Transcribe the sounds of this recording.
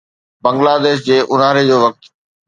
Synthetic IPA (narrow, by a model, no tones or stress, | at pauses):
bɐ̃ŋɡlaːd̪eːʃ̬d͡ʑeːʔʊnaːɾed͡ʑoːʋɐk̚t̪